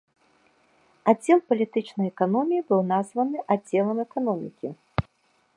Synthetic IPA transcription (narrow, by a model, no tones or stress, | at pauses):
ad͡zʲːɛlˠpɐlʲit̪ɨt͡ʂnɐjɛkanɔmʲijibɨwnazvɐnɨʔad͡zʲːɛlˠɐmɛkanɔmʲḭkʲi